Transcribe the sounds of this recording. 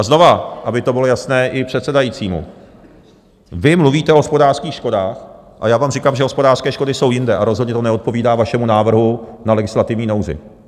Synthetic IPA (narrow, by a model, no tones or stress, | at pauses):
ʔazno̞vaʔabɪt̪o̞bɪlo̞jasnɛːʔɪpr̝̥ɛt̪sɛdajit͡siːmṵ | vɪmluviːt̪ɛoɦospo̞daːr̥skiːxʃko̞daːx | ʔa̰jaːvaːmrɪkaːmʒɛɦospo̞daːrskɛːʃko̞dɪso̞wjɪndɛʔaɾo̞zɦodɲɛt̪onɛo̞t̪̚po̞viːdaːvaʃɛmunaːvr̩ɦunalɛɡɪslat̪ɪvɲiːno̞wzɪ̰